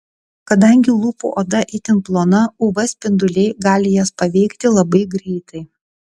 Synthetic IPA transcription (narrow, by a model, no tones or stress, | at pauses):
kɐd̪ɐŋʲɡʲɪlˠuːpṵʔoːd̪ɐʔɪt̪ʲɪnplˠoːnɐʊʋɐsʲpʲɪnd̪ʊlʲɛɪɡɑːlʲɪjospɐʋʲɛɪkt̪ʲɪlˠɐbɐɪɡɾʲɛɪt̪ɐɪ